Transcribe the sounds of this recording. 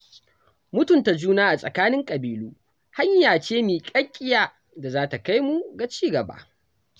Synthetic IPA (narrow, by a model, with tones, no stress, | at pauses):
mʊ˦tʊ˨nta˨d͡ʒuː˦naː˦ʔa˨sʼɐ̰˨kaː˦nɪ˦ŋkʼɐ˨biː˨luː˦ | ha˦ɲjaː˨t͡ʃeː˦miː˨kʼɐ˦kʲʼːɪ˦jaː˦˨ | da˨zaː˦ta˨ka˦jmu˨ɡa˨t͡ʃiː˦ɡɐ˨ba̰ː˨